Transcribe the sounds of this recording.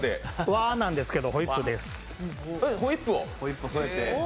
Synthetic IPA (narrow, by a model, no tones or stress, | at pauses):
d̪eβanãnd̪e̞sɨ̥ke̞d̪o̞ɦoipːɯ̟d̪esɨ̥ | ɯhoipːɯoisot̪e